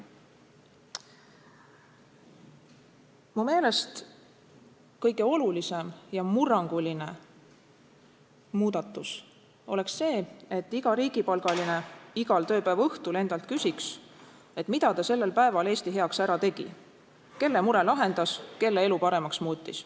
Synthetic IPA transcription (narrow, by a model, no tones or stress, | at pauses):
mume̞ːle̞st̪ | kɤjɡ̥e̞o̞lulise̞mjɑmurɑŋɡ̥uline̞ | muːd̪̥ɑt̪ːˑus | o̞le̞ksːe̞ːe̞t̪ːˑiɡ̥ɑɾiːɡ̥ipɑlɡ̥ɑline̞iɡ̥ɑlt̪ø̞ːpæevɤht̪ule̞nd̪ɑlt̪̚kysʲiks | e̞t̪mid̪ɑt̪ɑse̞lːe̞lpæe̞vɑle̞ːst̪iɦe̞ɑksæɾɑt̪e̞ɡ̥ḭ | ke̞lːe̞muɾe̞lɑɦe̞nd̪ɑske̞lːee̞lupɑɾe̞mɑksmuːt̪ʲːis